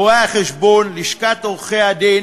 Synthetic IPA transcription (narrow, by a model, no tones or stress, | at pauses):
oaaχeʃbonliʃkat̪oʁχead̪e